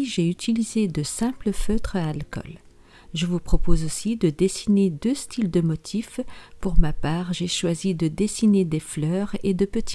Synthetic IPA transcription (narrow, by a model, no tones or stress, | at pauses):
ʒeyt̪ilized̪əsɛ̃pləføt̪χəalkɔ̰l | ʒəvupχɔpozosid̪əd̪esined̪øst̪ʰild̪əmɔt̪ʰifpuʁmapaːʁʒeʃwazid̪əd̪esined̪eflœːʁed̪əpət̪i̥